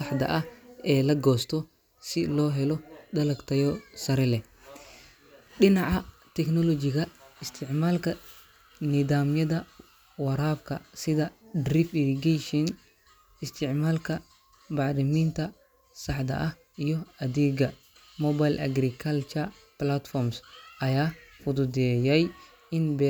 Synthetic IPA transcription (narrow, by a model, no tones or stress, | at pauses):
sɑħd̪ɐ̰ʔɐhɛːlɐɡɔːst̪ʰɔ | sɪlɔːɦɛlɔd̪ɐlɐɡt̪ʰɐjɔsɐɾɛlɛ | ɗɪnɑʕɑ | t̪ʰɛknɔlɔt͡ʃɪɣɐɪst̪ʰɪʕmaːlkʰɐ | nɪðaːmjɐðɐ | wɐɾaːbkʰɐ̰sɪðɐdrifiɾiɡɛʃɔn | ɪst̪ʰɪʕmaːlkʰɐ | bɑɾɪmint̪ʰɐ | sɑħd̪ɐ̰ʔɐh | ijɔɐðɛːɡɐ | mɔːbajlʔɐ̰ɡɾikʰɐlt͡ʃʰɐ | plat̪fɔrmsʔɐjaːfʊd̪ʊd̪ɛjɛj | ɪnbɛ